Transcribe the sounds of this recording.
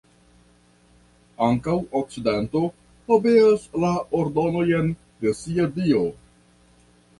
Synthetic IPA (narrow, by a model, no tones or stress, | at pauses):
aŋkawok̚t͡sidento̞ | hobeaslaoɾdo̞no̞je̞n | desiadio̞